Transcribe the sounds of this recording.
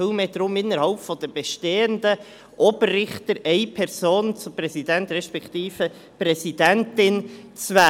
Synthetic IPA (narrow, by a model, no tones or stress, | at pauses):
ɪlmeːd̥ɾʊmɪnəɾhɑlpfɔd̥əb̥ɛʃteːəndə | ʔɔbərːɪχtəɾʔɛɪpʰɛɾsoːnt͡sʊprɛsidɛntrɛʃpɛkt̪iːfə | pɾɛsidɛntɪnt͡svæː